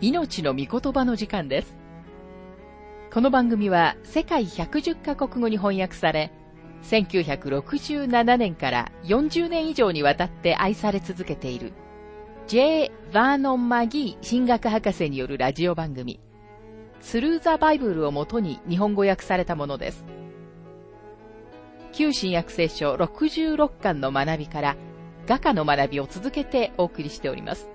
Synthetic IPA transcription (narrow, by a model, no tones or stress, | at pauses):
ino̞t͡ɕino̞mʲiko̞t̪o̞bano̞ʑikãnd̪e̞sɨ̥ | ko̞no̞bãŋɡɯ̟mʲiβase̞kaiçakɯ̟ʑɨkːako̞kɯ̟ɡo̞ɲ̟iɦõ̞ɰ̃jakɯ̟̥saɾe̞ | sẽ̞ŋkʲɨːçakɯ̟ɾo̞kɯ̟ʑɨːnananẽ̞ŋkaɾa̰jõ̞ɲ̟d͡ʑɨːnẽ̞ɰ̃iʑo̞ːɲ̟iβ̞at̪at̪ːe̞ʔaisaɾe̞t͡sɨzɨke̞t̪e̞iɾɯ̟̰ | d͡ʑe̞ːbanõ̞mmaɡʲiːɕĩŋɡakɯ̟ɦakase̞ɲ̟ijo̞ɾɯ̟ɾaʑio̞bãŋɡɯ̟mʲḭ | sɨɾɯ̟ːzabaibɯ̟ɾɯ̟o̞mo̞t̪o̞ɲ̟iɲ̟iɦõ̞ŋɡo̞jakɯ̟̥saɾe̞t̪amo̞no̞d̪e̞̰sɨ̥ | kʲɨːɕĩɰ̃jakɯ̟̥se̞ːɕo̞ɾo̞kɯ̟ʑɨːɾo̞kːãnːo̞manabʲikaɾa | ɡ̥akano̞manabʲio̞t͡sɨzɨke̞t̪e̞ʔo̞ːkɯ̟ɾʲiɕi̥t̪e̞o̞ɾʲḭmʔa̰sɨ̥